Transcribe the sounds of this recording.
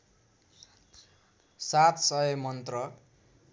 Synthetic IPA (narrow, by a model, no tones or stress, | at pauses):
sat̪sʌʌmʌnt̪rʌ